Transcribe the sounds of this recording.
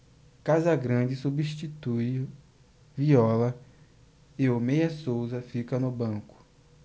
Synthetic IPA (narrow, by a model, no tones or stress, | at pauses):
kazɐɡɾɐ̃d͡ʒɪsubiʃt͡ʃit̪uj | viɔlɐ | eomejɐsowzɐfikɐnʊbɐ̃kʊ̥